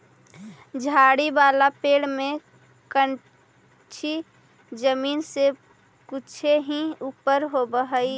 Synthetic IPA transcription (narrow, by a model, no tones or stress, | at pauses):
d͡ʒʱaːɽibaːlapeːɽmẽ | kən | t͡ʃʰi | d͡ʒəmiːnse | kʊt͡ʃʰeɦĩupəɾɦobəɦəi